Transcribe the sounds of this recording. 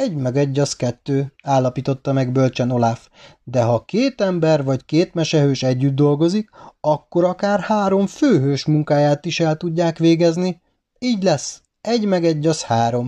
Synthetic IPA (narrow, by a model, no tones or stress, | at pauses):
ɛɟmɛɡɛɟːɒskɛt̪ːøːaːlːɒpiːt̪o̞t̪ːɒmɛɡbølt͡ʃɛno̞laf | d̪ɛɦɒkeːt̪ɛmbɛrʋɒckeːt̪mɛʃɛɦøːʃɛɟːyd̪̚ːo̞lɡo̞zikɒkːo̞ɾɒkaːrhaːɾo̞ɱføːɦøːʃmuŋkaːjaːt̪iʃɛlt̪uɟːaːkʋeːɡɛzni | iːɟlɛs | ɛɟmɛɡɛɟːɒshaːɾo̞m